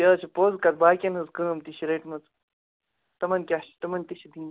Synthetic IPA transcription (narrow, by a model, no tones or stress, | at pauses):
əːt͡ʃʰipoːzkɐt̪̚baːkʲɐnɦɨzkəːmt̪iʃiɾeːʈmɐt͡s | t̪ɐmɐnkʲaʃt̪ɐmɐnt̪iʃid̪iːn